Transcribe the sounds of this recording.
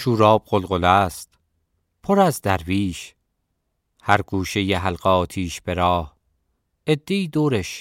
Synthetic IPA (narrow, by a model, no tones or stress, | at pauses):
ʃuːɾɒːb̚ɢolɣolæːst̪ | pʰoɾæzd̪æɾviːʃ | hæɾɡuːʃe̞jeɦælɢɒːt̪ʰiːʃb̥e̞ɾɒːh | ed̪ːe̞iːd̪oːɾeʃ